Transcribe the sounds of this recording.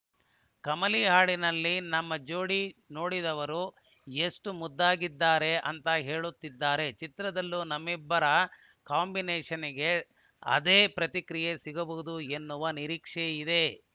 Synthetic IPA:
kɐmɐliɦaːɭinɐlːinɐmːɐd͡ʒoːɽino̞ːɽid̪ɐʋɐɾu | eʂʈumud̪ːaːɡid̪ːaːɾe̞ʔɐnt̪ɐɦe̞ːɭut̪ːid̪ːaːɾe̞t͡ʃit̪ɾɐd̪ɐlːunɐmːibːɐɾɐ | kaːmbineːʂɐniɡe̞ | ɐ̰d̪eːpɾɐt̪ikɾijesiɡɐbuud̪ue̞nːuʋɐniɾiːkʂeid̪e̞

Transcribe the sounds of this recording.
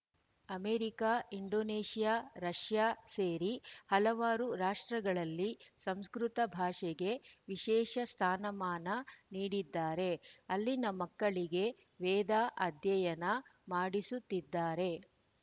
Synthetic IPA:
ɐmeːɾikaːiɳɖoːneːʂijaːɾɐʂjaːseːɾihɐlɐʋaːɾuɾaːʂʈɾɐɡɐɭɐlːisɐmskɾut̪ɐbʱaːʂɛɡe̞ʋiʃɛːʃɐst̪ʰaːnɐmaːnɐniːɽid̪ːaːɾe̞ɐlːinɐmɐkːɐɭiɡe | ʋɛːd̪aːʔɐd̪jɐjɐnɐmaːɽisut̪ːid̪ːaːɾe̞

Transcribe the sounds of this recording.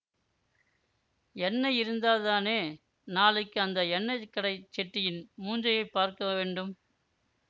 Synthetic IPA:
ɛɳːɐjɪɾɯnd̪aːlt̪aːneː | naːlɪkːɯɐnd̪ɐɛɳːɐɪkːɐɽɐɪt͡ʃːɛʈːɪjɪnmuːɲd͡ʒɐjɐɪpːaːɾkɐʋeːɳɖɯm

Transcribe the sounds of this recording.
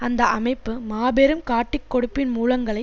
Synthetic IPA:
ɐnd̪ɐʔɐmɐɪpːɯmaːbɛɾɯmkaːʈːɪkːɔɽɯpːɪnmuːlɐŋɡɐɭɐɪ

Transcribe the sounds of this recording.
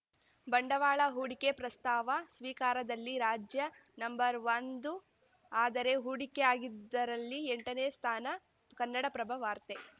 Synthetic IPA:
bɐɳɖɐʋaːɭɐɦuːɽikepɾɐst̪aːʋɐsʋiːkaːɾɐd̪ɐlːiɾaːd͡ʒjɐnɐmbɐɾʋɐnd̪u | aːd̪ɐɾe̞ɦuɽikeaːɡid̪ːɐɾɐlːieɳʈɐneːst̪ʰaːnɐ | kɐnːɐɽɐpɾɐbʱɐʋaːɾt̪e

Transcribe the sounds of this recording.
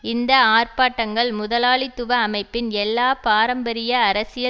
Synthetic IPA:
ɪnd̪ɐaːrpaːʈːɐŋɡɐɭmʊðɐlaːɭɪt̪ːʊʋɐːmɐɪpːɪnɛlːaːpaːɾɐmbɐɾɪjɐːɾɐsɪjɐ

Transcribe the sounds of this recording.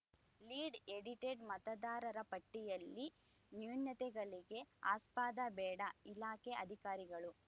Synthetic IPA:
liːɖeɽiʈeɖmɐt̪ɐd̪aːɾɐɾɐpɐʈːijɐlːi | njuːnjɐt̪ɛɡɐɭiɡe̞a̰ːspaːd̪ɐbɛːɽɐilaːkeʔɐd̪ʱikaːɾiɡɐɭu

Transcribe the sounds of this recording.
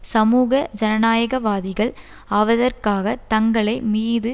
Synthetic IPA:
sɐmuːɣɐd͡ʒɐnɐnaːjɐɣɐʋaːðɪɣɐɭ | ɐʋɐðɐrkaːɣɐt̪ɐŋɡɐɭɐɪmiːðɯ

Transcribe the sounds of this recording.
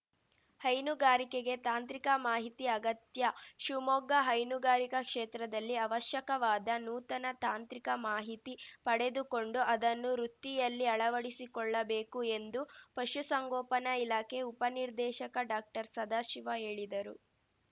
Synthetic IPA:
hɐjnuɡaːɾikeɡe̞t̪aːnt̪ɾikɐmaːɦit̪iɐɡɐt̪jɐʃumɔɡɐɦɐjnuɡaːɾikɐkʂeːt̪ɾɐd̪ɐlːiɐʋɐʃjɐkɐʋaːd̪ɐnuːt̪ɐnɐt̪aːnt̪ɾikɐmaːɦit̪ipɐɽe̞d̪ukoɳɖuʔɐd̪ɐnːuɾut̪ːijɐlːiɐɭɐʋɐɽisikɔɭːɐbeːkue̞nd̪upɐʃusɐŋɡɔːpɐnɐilaːkʰeupɐniɾd̪ɛːʃɐkɐɖaːk̚ʈɐɾsɐd̪aːʃiʋɐɦe̞ːɭid̪ɐɾu

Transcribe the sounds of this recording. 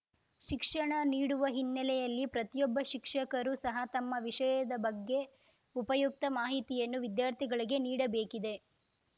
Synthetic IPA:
ʃikʂɐɳɐniːɽuʋɐɦinːɐlɛjɐlːipɾɐt̪ijɔbːɐʃikʂɐkɐɾusɐɦɐt̪ɐmːɐʋiʂɐjɐd̪ɐbɐɡːe̞ | upɐjuk̚t̪ɐmaːɦit̪ijɐnːuʋid̪jaːɾt̪ʰiɡɐɭiɡe̞niːɽɐbeːkid̪e̞

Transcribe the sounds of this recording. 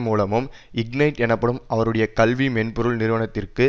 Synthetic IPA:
muːlɐmɯmɪɡnɐɪʈɛɳɐpːɐɽɯmʔɐʋɐɾɯɽɐjɐkɐlʋimɛnpʊɾɯlnɪɾɯʋɐɳɐt̪ːɪrkɯ

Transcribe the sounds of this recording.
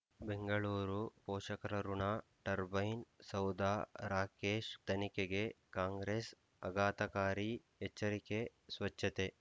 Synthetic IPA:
beŋɡɐɭuːɾupoːʂɐkɐɾɐɾuɳaʈɐɾbɐjnsɐwd̪aːɾaːkeːʃt̪ɐnikeɡe | kaːŋɡɾeːs | ɐ̰ɡaːt̪ɐkaːɾi | et͡ʃːɐɾikesʋɐt͡ʃʰːɐt̪e

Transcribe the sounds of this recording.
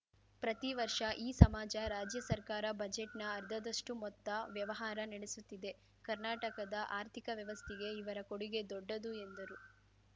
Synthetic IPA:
pɾɐt̪iʋɐɾʂɐʔiːsɐmaːd͡ʒɐɾaːd͡ʒjɐsɐɾkaːɾɐbɐd͡ʒeʈnɐːɾd̪ʱɐd̪ɐʂʈumɔt̪ːɐʋjɐʋɐɦaːɾɐnɐɽesut̪ːid̪e̞ | kɐɾnaːʈɐkɐd̪ɐʔaːɾt̪ʰikɐʋjɐʋɐst̪ʰiɡe̞iʋɐɾɐkoɽiɡe̞d̪ɔɖːɐd̪ue̞nd̪ɐɾu

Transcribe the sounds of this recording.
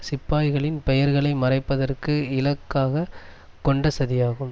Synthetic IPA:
sɪpːaːjɣɐɭɪnpɛjɐɾɣɐɭɐɪmɐrɐɪpːɐðɐrkɯɪlɐkːaːɣɐ | kɔɳɖɐsɐðɪjaːɣɯm

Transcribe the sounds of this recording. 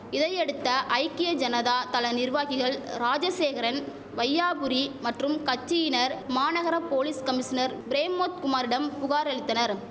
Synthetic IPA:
ɪðɐɪɛɽɯt̪ːɐʔɐɪkːɪjɐd͡ʒɐnɐðaːt̪ɐlɐnɪɾʋaːɣɪɣɐɭɾaːd͡ʒɐseːɣɐɾɐn | ʋɐjːaːbɯɾimɐʈrɯmkɐt͡ʃːɪjɪnɐɾmaːnɐɣɐɾɐpoːliskɐmɪʂɐnɐɾbɪɾeːmːoːt̪̚kʊmaːɾɪɽɐmpʊɣaːɾɐɻɪt̪ːɐnɐɾ

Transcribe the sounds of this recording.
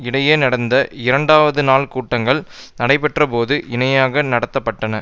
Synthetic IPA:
ɪɽɐjeːnɐɽɐnd̪ɐɪɾɐɳɖaːʋɐðɯnaːlkuːʈːɐŋɡɐɭ | nɐɽɐɪpɛʈrɐpoːðɯʔɪnɐjaːɣɐnɐɽɐt̪ːɐpːɐʈːɐnɐ

